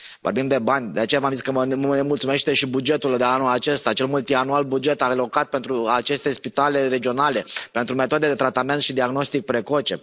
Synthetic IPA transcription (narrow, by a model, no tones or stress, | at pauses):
vo̞rbimd̪e̞banʲd̪e̞at͡ʃejavamziskənemult̪sume̞ʃt̪e̞ʃibud͡ʒe̞t̪uld̪eanulat͡ʃe̞st̪at͡ʃe̞lmult̪ianualbud͡ʒe̞t̪alo̞kat̪̚pe̞nt̪ɾuat͡ʃe̞st̪e̞spit̪ale̞ɾe̞d͡ʒio̞nale̞pe̞nt̪ɾume̞t̪od̪ed̪e̞t̪ɾat̪ame̞nt̪ʃid̪iaɡno̞st̪ik̚pɾe̞ko̞t͡ʃe̞